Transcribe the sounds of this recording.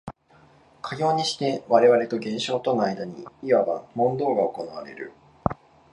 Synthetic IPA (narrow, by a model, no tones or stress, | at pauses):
kʰaɡʲo̞ːɲ̟iɕi̥t̪e̞βaɾe̞βaɾe̞t̪o̞ɡẽ̞ɰ̃ɕo̞ːt̪o̞noaid̪aɲ̟ḭiβaba̰mõ̞nd̪o̞ːɡao̞ko̞naβaɾe̞̰ɾɯ̟̰